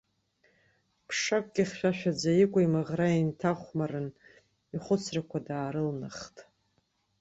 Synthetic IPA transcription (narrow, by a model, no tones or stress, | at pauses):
pʰʂakʷʼɡʲiχʲʃʷᶣaʃʷᶣad͡zajikʷʼaimɨʁraintʰaχʷmaɾɨn | iχʷʊt͡sʰrakʷʰadaːɾɨlnɨχtʼ